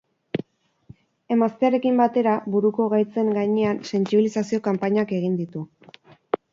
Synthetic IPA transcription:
e̞mast̪eare̞kimbat̪e̞ɾaβuɾuko̞ɣ̞ajt͡se̞ŋɡaɲe̞anse̞nt͡siβilisasio̞kampaɲake̞ɣ̞ind̪it̪u

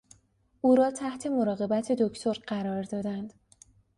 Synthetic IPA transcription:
ʔuːɾɒːt̪ʰæht̪ʰe̞mo̞ɾɒːɣe̞bæt̪ʰe̞d̪ocʰt̪ʰo̞ɾɢæɾɒːɾd̪ɒːd̪ænd̪̥

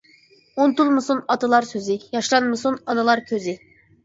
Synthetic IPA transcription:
unt̪ulˠmɨsunɑt̪ɨlˠɑɾsøzɪjɑʃlˠɑnmɨsunɑnɨlˠɑɾkʲʰøzɪ

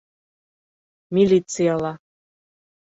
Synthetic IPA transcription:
mʲilʲit̪sɨjalˠɑ

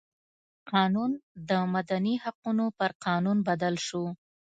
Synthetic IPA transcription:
qɑnund̪əmad̪anihaqunopəɾqɑnunbad̪alʃo

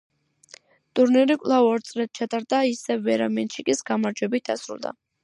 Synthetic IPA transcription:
t̪ʼuɾniɾikʼlˠavɔɾt̪sʼlɛt̪̚t͡ʃʰat̪ʼaɾd̪aisɛvːɛɾamɛnʃikʼisɡamaɾd͡ʒwɛbit̪̚d̪a̰sɾṵlˠd̪a̰

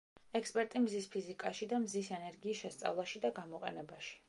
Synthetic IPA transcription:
ɛkspʼɛɾt̪ʼimzispʰizikʼaʃid̪amzisɛnɛɾɡiːsʃɛst̪sʼa̰vlˠaʃid̪aɡamɔqʼɛ̰nɛbaʃi̥

